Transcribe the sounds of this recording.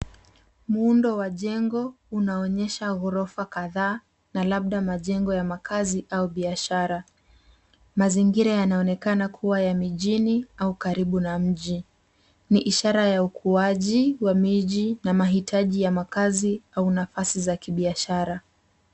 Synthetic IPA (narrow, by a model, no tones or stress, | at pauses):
muundɔwaʄɛŋɡɔ | unaɔɲɛʃaɣɔɾɔfakaðaː | nalaɓ̚ɗamaʄɛŋɡɔjamakʰaziʔauɓiaʃaɾa | maziŋɡiɾajanaɔnɛkanakʰuwajamiʄiniaukaɾiɓunam̩ʄi | niʔiʃaɾajaukʰuaʄiwamiʄinamaɦitʰaʄijamakaziaunafasizakiɓiaʃaɾa